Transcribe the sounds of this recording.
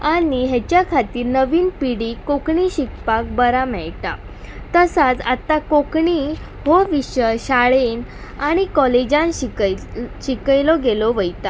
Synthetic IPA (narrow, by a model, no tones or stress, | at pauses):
aniɦɛt͡ɕjakʰat̪iːɾnəʋiːnpiɽikokɳiɕikpak̚bəɾamɛɭʈ̪a̰ | t̪əsat͡sat̪akokɳi | hoʋiɕəɕaɭen | aɽ̃ikɔled͡ʑãnɕ | ɕikəjlɔɡelɔʋəjt̪a